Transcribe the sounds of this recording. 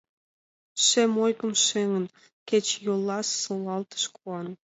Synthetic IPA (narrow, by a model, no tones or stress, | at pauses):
ʃemojkəmʃeŋən | ket͡ɕjolːɑʃːolɑlt̪ə̥ʃkuɑn